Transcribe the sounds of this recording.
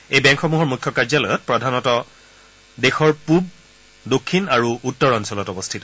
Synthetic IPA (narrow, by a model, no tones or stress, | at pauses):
ejbɛ̃ŋkxɔmuɦɔɹmukʰjɔkaɹd͡ʒalɔjɔt̚pɹɔdʱanɔtɔ | dexɔɹpub̚ | dokʰːinaɹuʔutːɔɹɔnsɔlɔtɔbɔstʰitɔ̥